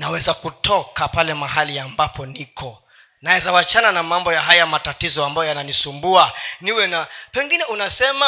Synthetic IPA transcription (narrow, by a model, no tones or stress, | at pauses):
nawɛzakutʰɔkapalɛmaɦaliambapɔnikʰɔ | naɛzawat͡ʃananamambɔjaɦajamatatizɔambajɔjananisumbuaniwɛnapɛŋɡinɛunasɛma